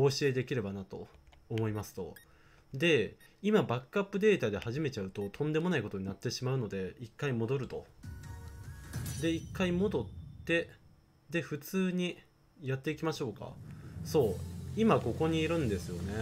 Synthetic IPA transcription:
oːɕie̞d̪e̞kʲiɾe̞banat̪o̞ː | mo̞imasɨ̥t̪o̞̰ | d̪e̞ | imabakɯapːɯ̟d̪e̞ːt̪ad̪e̞haʑime̞t͡ɕaɯ̟t̪o̞t̪ʰõ̞nd̪e̞mo̞naiko̞t̪o̞ɲ̟inat̪ːe̞ɕimaɯ̟no̞d̪e̞ikːaimo̞d̪o̞ɾɯ̟t̪o̞̰ | d̪e̞ikːaimo̞d̪o̞t̪ːe̞ | d̪e̞ɸɯ̟t͡sɨːɲ̟i | jat̪ːe̞ikʲimaɕo̞ːka̰so̞ːimako̞ko̞ɲ̟iːɾɯ̟̃nd̪e̞sɨjo̞ne̞

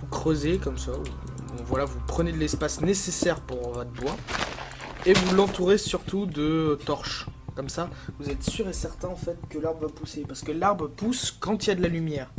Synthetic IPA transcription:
vukχøzekɔmswau | bɔ̃vwalavupχəned̪əlɛspasnesesɛʁpuʁvɔt̪χbwa | evulɑ̃t̪uʁesyʁt̪ud̪ət̪ɔʁʃkɔmsavuzɛt̪syʁesɛʁt̪ɛ̃ɑ̃fɛt̪kəlaʁbʁəvapusepaʁsə̥kəlaʁbʁəpuskɑ̃t̪iljad̪əlalymjɛːʁ

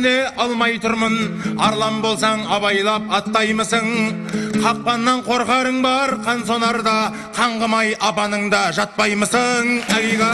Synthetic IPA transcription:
neʔɑlˠmɑjt̪ʰʊɾmənɑɾlˠɑmbo̞lˠsɑɴɑbɑjlˠɑp̚ɑt̪ːɑjməsəɴ | qʰɑq̚pɑnːɑɴqʰo̞ɾʁɑɾəɴbɑɾqʰɑnso̞nɑɾd̪ɑ | qʰɑɴʁəmɑjɑpɑnəɴd̪ɑʒɑt̪̚pɑjməsəɴæɡiʁɑ

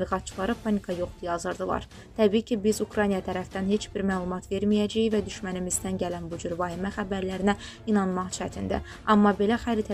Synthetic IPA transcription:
liɣɑt̪̚t͡ʃʰɯ̥lˠɑɾɯpʰɑnikʰɑjo̞χd̪ujɑzɯɾd̪ɯlˠɑ̰ɾ | t̪ʰæbiːcʰibizukɾɑnijɑt̪ʰæɾæfd̪ænhe̞t͡ʃʰb̥iɾmæːlˠumɑt̪ʰve̞ɾmijæd͡ʒæjvæd̪yʃmænimizd̪ænɟælænbud͡ʒyɾvɑhimæχæbæɾlæɾinæ | inɑnmɑʁt͡ʃʰæt̪ʰind̪æ̰ | ɑmːɑbe̞læxæɾit̪ʰæ

